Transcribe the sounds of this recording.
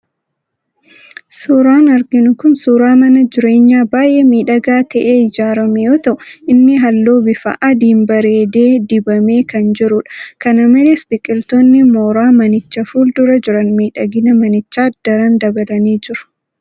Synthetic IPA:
suːɾaːnɐɾɡɪnʊkʊnsuːɾaːmɐnɐd͡ʒɪɾe̞ːɲːaːbaːjʔeːmiːᶑɐɡaːt̪ɐʔeːɪd͡ʒaːɾɐmɛjoːt̪ɐʔʊɪnːɪɦɐlːoːbɪfɐ̰ʔɐd̪iːmbɐɾeːd̪e̞ːd̪ɪbɐme̞ːkɐnd͡ʒɪɾʊᶑɐ̥kɐnɐmɪlɪsbɪkʼɪlt̪oːnːɪmoːɾaːmɐnɪt͡ʃːɐfuːld̪ʊɾɐd͡ʒɪɾɐnmiːᶑɐɡɪnɐmɐnɪt͡ʃːaːd̪̥ɐɾɐnd̪ɐbɐlɐniːd͡ʒɪɾɐ̥

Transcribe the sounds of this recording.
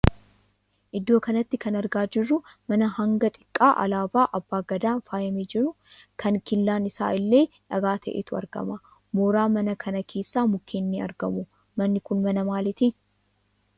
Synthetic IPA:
ʔɪd̪ːo̞ːkɐnɐt̪ːɪkɐnɐɾɡaːd͡ʒɪrːʊmɐnɐhɐŋɡɐt̪ʼɪ̥kʼːa̰ːʔɐ̰laːbaːʔɐbːaːɡɐd̪aːnfaːjɐmeːd͡ʒɪɾʊ | kʰɐnkɪlːaːnɪsa̰ːʔɪlːe̞ː | ᶑɐɡaːt̪ʰɐ̰ʔḛt̪ʊɐ̰ɾɡɐ̰mɐ | moːɾaːmɐnɐkʰɐnɐkʰe̞ːsːaːmʊkʰːeːnːiːɐ̰ɾɡɐmʊ | mɐnːɪkʊnmɐnɐmaːlɪt̪i

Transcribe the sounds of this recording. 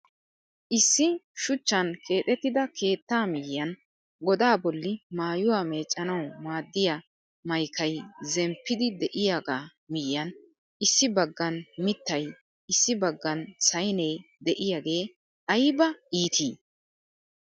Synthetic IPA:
ʔɪsːɪʃʊt͡ʃːɐnkʰe̞ːt̪ʼɛt̪ːɪd̪ɐkʰe̞ːt̪ːaːmɪjːɐn | ɡɔd̪aːbɔlːɪmaːjʊwaːme̞ːt͡ʃʼːɐnɐwmaːd̪ːɪjɐ | mɐjkʰɐjzɛmpːɪd̪ɪd̪ɛʔɪjaɡaː | mɪjːɐn | ʔɪsːɪbɐɡːɐnmɪt̪ːɐj | ɪsːɪbɐɡːɐnsɐjnejd̪ɛʔɪjaːɡe̞ː | ɐjbɐiːt̪ʰiː

